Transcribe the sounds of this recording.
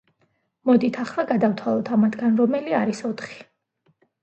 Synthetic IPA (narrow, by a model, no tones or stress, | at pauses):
mɔd̪it̪ʰaχlˠaɡad̪aft̪ʰwalˠɔt̪ʰamat̪ʰɡanɾɔmɛliaɾisɔt̪ʰχi̥